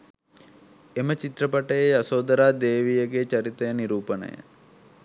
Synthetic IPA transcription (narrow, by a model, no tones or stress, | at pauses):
emət͡ʃit̪ɾəpɐʈəjejɐsoːd̪ɐɾaːd̪eːʋijəɡet͡ʃɐɾit̪əjəniɾuːpənə̰jə̰